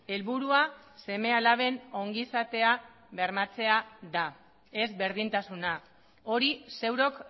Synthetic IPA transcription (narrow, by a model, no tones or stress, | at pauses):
e̞lβuɾuase̞me̞alaβe̞no̞ŋɡisat̪e̞a | βe̞ɾmat͡se̞aða | e̞zβe̞ɾðint̪asuna | o̞ɾise̞wɾo̞k